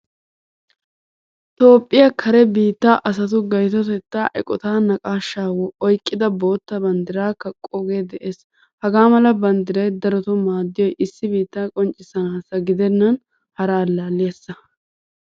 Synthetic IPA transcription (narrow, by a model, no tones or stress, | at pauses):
t̪o̞ːpʼːɪjɐkʰɐɾɛbiːt̪ːaːʔɐs̬ɐt̪ʊɡɐjt̪̬ɔt̪ɛt̪ːaːʔɛkʼɔt̪aːnɐkʼaːʃːaːwɔɔjkʼːɪd̪ɐbo̞ːt̪ːɐbɐnd̪ɪɾaːkɐkʼːoɡeːd̪ɛʔeːs | hɐɡaːmɐlɐbɐnd̪ɪɾɐjd̪ɐɾɔt̪ɔmaːd̪ːɪjɔjʔɪsːɪbiːt̪ːaːkʼɔnt͡ʃʼɪsɐnaːsɐɡɪd̪ɛnːɐn | hɐɾaːlːaːlːɪjɐsːɐ